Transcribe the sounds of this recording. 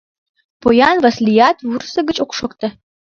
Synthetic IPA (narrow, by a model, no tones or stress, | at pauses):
pojɑnvɑslʲijɑt̪wursə̆ɡət͡ɕokʃokt̪ə